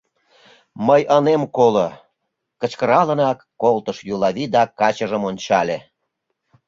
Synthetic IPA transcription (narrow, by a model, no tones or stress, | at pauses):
məjʔənemkolo | kə̆t͡ɕkəɾɑlənɑkːolt̪əʃjulˠɑβid̪ɑkɑt͡ɕəʒəmonʲt͡ɕɑlʲe